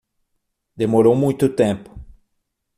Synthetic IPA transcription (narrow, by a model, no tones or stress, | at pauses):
d̪emoɾowmũjt̪ʊt̪ẽmpʊ̥